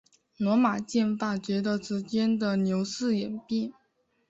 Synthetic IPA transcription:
nwɔ˧˥ma˨˩t͡ɕjɛ˥˧nfa˥˩t͡ɕɥɛ˧˥d̪ə˧ʈ͡ʂɻ̩˧˥t͡ɕjɛ˥nd̪ə˨njo˧˥ʊsɹ̩˥˩jɛ˨˩npi˥˩

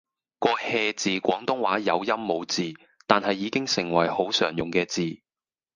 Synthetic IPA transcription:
kɔː˧hɛː˧t͡siː˨kʷɔː˨˥ŋt̪ʊ˥ŋwaː˨˥jɐ˨˧wjɐ˥mːo˨˧wt͡siː˨ | t̪aː˨nhɐ˨jːiː˨˧kɪ˥ŋsɪ˨˩ŋwɐ˨˩jho˨˥wsœː˨˩ŋjʊ˨˩ŋkɛː˧t͡siː˨

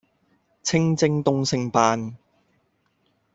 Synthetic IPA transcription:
t͡sʰɪ˥ŋt͡sɪ˧ŋt̪ʊ˧ŋsɪ˨˧ŋpaː˧n

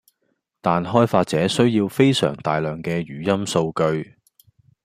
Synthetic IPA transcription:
t̪aː˨nɦɔː˥jfaː˧t̚t͡sɛː˨˥sɵ˥ɥjiː˧wfe˥jsœ̰ː˨˩ŋt̪aː˨jlœː˨ŋkɛː˧ɥyː˨jɐ˥mso˧wkɵ˧ɥ

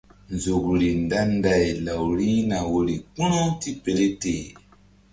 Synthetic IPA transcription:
nzo˨kɾi˨nda˦nda˨jla˨wɾi˦na˨wo˨ɾi˨ku˦ɾo˦ti˦pe˨le˦te˨

